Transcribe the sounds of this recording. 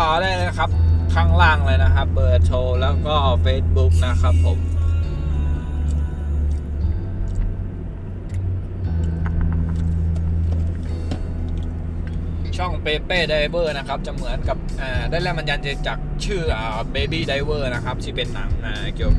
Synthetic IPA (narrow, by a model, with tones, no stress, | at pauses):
ɔː˨˩daː˥˩jlːna˧˥kʰa˦˥p̚kʰaː˥˩ŋlaː˥˩ŋlɤː˧jna˦˥kʰa˦˥p̚bɤː˨˩t̪ʰoː˧lɛː˦˥˩wkɔː˥˩ʔa˧wfeː˦˥s̚bu˦˥k̚na˦˥kʰa˦˥pʰːo˩˦m | t͡ɕʰɔ˥˩ŋpeː˧peː˥˩da˧jwɤː˧˩na˦˥kʰa˦˥p̚t͡ɕa˨˩mɯ˩˦ənka˨˩p̚ʔaː˨˩daː˥˩jlɛː˦˥˩ma˧nja˧nt͡ɕe˧˩t͡ɕaː˨˩k̚t͡ɕʰɯː˥˩ʔaː˨˩beː˧biː˥˩da˧jwɤː˧˩na˦˥kʰa˦˥p̚t̪ʰiː˥˩pe˨nːa˩˦ŋmaː˧ki˨˩ə